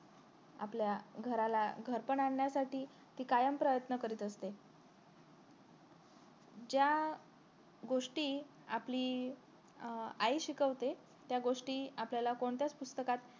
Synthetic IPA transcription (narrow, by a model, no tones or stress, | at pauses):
a̰pljaɡʱəɾalaɡʱəɾpəɳaɳːjasaʈiː | t̪iːkajəmpɾəjət̪nəkəɾiːt̪əst̪e | d͡ʑja | ɡoʂʈiː | apliː | aiɕikəʋt̪e | t̪jaɡoʂʈiːapljalakoɳt̪jat͡spust̪əkat̪